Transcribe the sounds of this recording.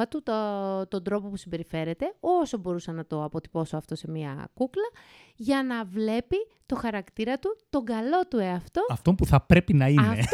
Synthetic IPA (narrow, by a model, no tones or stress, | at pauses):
ɐt̪ut̪ot̪o̞nd̪ɾo̞po̞pusimbe̞ɾife̞ɾe̞t̪e̞o̞so̞bo̞ɾusɐnɐt̪o̞ɐpo̞t̪i̥po̞soɐft̪o̞se̞miɐ̰kuklɐ | ʝɐnɐvle̞pi | t̪o̞xɐɾɐkt̪iɾɐt̪ut̪o̞ɡɐlo̞t̪ue̞ɐft̪o̞ɐft̪o̞mpuθɐpɾe̞pinɐine